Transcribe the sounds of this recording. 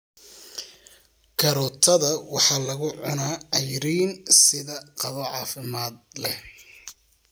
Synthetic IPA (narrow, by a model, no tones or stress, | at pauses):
kʰɐɾɔt̪ʰɐðɐwɑħɑːlɐɣʊʕʊnaːɐjɾiːnsɪðɐqɑβɔʕɑːfɪmaːd̪lɛh